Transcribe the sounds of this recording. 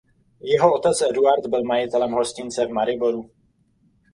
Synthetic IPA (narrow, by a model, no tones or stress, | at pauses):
jɛɦoot̪ɛt͡sɛduaɾd̪bɪlmajɪt̪ɛlɛmɦoscɪnt͡sɛvmaɾɪboɾu